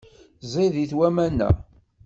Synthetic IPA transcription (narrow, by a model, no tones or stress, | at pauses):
zˤeðiθwæmænːæ̰